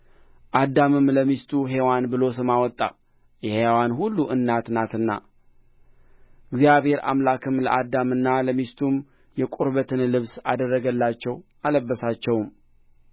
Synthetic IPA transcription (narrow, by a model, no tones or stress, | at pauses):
ʔad̪ːamɨmləmist̪ʰuɦewanbɨlo̞sɨmawɔt̪ʼːa̰ | jɛhewanɦulːuʔɨnːat̪nat̪ɨnːa̰ | ɨɡzijaβhe̞ɾa̰mlakɨmlə̰ʔad̪amɨnːaləmist̪ʰum | jɛkʼuɾbət̪ʰɨnlɨβsad̪ərːəɡəlːat͡ʃːɛwʔaləbːəsat͡ʃːɛwm